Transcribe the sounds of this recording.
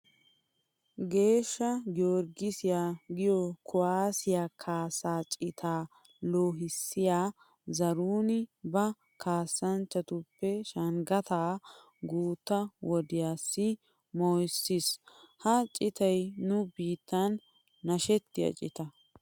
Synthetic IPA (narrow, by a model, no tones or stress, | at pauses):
ɡe̞ːʃːɐɡɪjoɾɡɪsɪjaːɡɪjɔkʰʊwaːsɪjaːkʰaːsːaːt͡ʃʼɪt̪ʰaː | loːɦɪsːɪjaː | zɐɾuːnɪbɐ | kʰaːsːɐnt͡ʃːɐt̪ʊpːɛʃɐŋɡɐt̪aː | ɡuːt̪ːɐwɔd̪ɪjaːsːɪ | moːjsːɪshɐt͡ʃʼɪt̪ɐjnʊbiːt̪ːɐnː | ɐʃɛt̪ːɪjɐ̰t͡ʃʼɪ̰t̪ɐ